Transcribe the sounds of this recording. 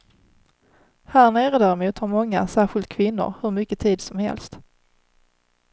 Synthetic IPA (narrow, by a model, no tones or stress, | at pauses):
hæːɳeːɾəd̪æːɾɛmuːt̪hɑɾmɔŋːa̰sæːɾɧɪlt̪̚kʰvɪnːʊ̰ɾhɵɾmʏkːət̪ʰiːd̪sɔmhɛ̰lst̪